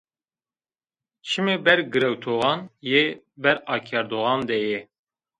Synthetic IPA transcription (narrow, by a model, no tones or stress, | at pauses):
t͡ʃʰɨmebɛɾɡɨɾɛwt̪ʰoːɣɑnje | bɛɾɑːkʰɛɾd̪oɣɑnd̪ɛje